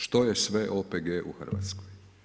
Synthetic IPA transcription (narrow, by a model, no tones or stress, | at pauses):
ʃt̪ojesʋeʔopeɡeːʔṵxər̩ʋa̰t̪skoj